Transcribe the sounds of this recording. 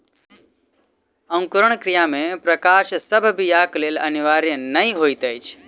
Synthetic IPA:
ɐ̃ŋkʊɾəɳ̃kɾijamẽpɾəkaːʃsəbʱbʱijaːkleːlɐniʋaːɾjənɐĩɦoːit̪əjt͡ʃʰ

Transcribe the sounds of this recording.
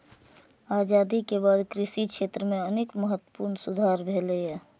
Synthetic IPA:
aːd͡ʒaːd̪ikebaːd̪kɾɪʃikʃʰeːt̪ɾəmẽəneːkməɦət̪ːwə̥puːɾnsʊd̪ʱaːɾbʱeːlejɛː

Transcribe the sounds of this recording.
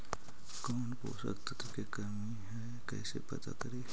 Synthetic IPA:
kɔːnpo̰ːsə̰kt̪ət̪əkekɐɾmiɦɛː | kɛ̰ːsḛpɐ̰t̪a̰kɐɾeː

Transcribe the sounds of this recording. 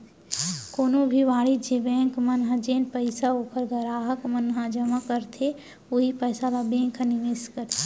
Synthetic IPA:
koːnõbʱiʋaːɽid͡ʒebɛ̃ːŋkmɐnɦə̃d͡ʒeːnpəɪsaoːkəɾɡɐɾaːɦəkmənɦãd͡ʒəmakəɾt̪ʰe | oɦipəːsalabẽːŋkʰənɪmɪskəɾt̪ʰe

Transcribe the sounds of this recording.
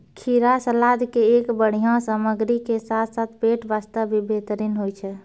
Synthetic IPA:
kʰiɾasəlad̪keekbəɽ̤ijãsəməɡɾikesat̪ʰsat̪ʰpeʈbast̪əbibʱet̪ɾinɦojt͡ʃʰɛ

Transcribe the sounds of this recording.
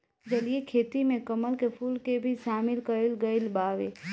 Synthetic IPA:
d͡ʒəlijekʰeːt̪imẽkəməlkepʰuːlkebʱiʃaːmɪlkəɾelɡəɪlbaːʋe

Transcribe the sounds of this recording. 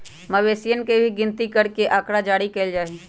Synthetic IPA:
məʋeːsijənkebʱiɡɪ̃nt̪ikəɾkeʔaːkɾad͡ʒaːɽikeːld͡ʒaːeː

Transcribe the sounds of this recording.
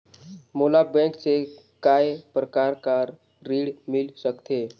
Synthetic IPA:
moːlabɛ̃kse | kaepɾəkaːɾkaɾː | iːɽmɪlsəkt̪eː

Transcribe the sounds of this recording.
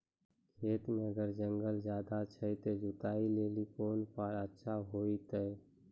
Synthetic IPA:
kʰeːt̪mẽəɡəɾd͡ʒə̃ŋɡəlzjaːd̪at͡ʃʰəit̪ed͡ʒʊt̪aːileːlikoːnpʰaːɾətːʃʰaɦoːit̪ə

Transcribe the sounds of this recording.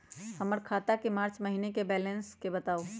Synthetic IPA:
həməɾkʰat̪akemaːɾt͡ʃməɦinekebɛlənskebət̪aːo

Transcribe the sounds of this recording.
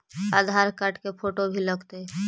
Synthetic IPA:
aːd̪ʱaːɾkəʈkepʰoːʈobʱiləɡt̪e

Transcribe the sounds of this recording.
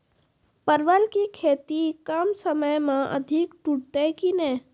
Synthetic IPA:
pəɾʋəlkikʰeːt̪ikaːmsəməjmãʔə̰d̪ʱɪkʈuʈ̚t̪ekinẽː

